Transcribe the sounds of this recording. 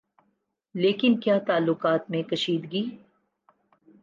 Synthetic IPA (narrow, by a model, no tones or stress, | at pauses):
leːkɪnkjaːt̪aːlːʊqaːt̪mẽkɐʃiːd̪ɡiː